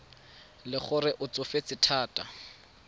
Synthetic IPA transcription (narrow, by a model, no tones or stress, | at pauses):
lɪχʊrɪʔʊt͡sʊfet͡sɪtʰaːtʼa